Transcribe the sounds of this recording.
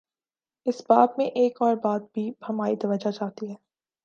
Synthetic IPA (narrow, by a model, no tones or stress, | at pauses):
ɪsbaːt̪mẽʔeːkɔːɾbaːd̪̚bʱibʱɐmaːid̪ɐʋəd͡ʒat͡ʃaːt̪iɦɛː